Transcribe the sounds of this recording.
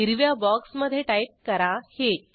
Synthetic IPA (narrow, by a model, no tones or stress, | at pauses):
iɾʋjabɔksməd̪ʱjeʈajp̚kəɾahe